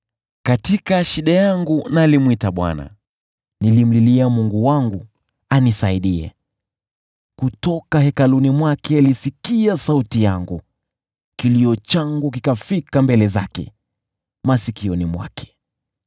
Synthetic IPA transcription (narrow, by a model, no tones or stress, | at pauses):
katikaʃiɗajaŋɡunalimwitaɓwa̰na̰ | nilim̩liliamuŋɡuwaŋɡu | anisaiɗiɛ̰ | kutɔkahɛkalunimwakɛalisikiasautijaŋɡu | kiliɔt͡ʃaŋɡuk̬ikafikambɛlɛzakɛ̰ | masikiɔnimwa̰kʰɛ̥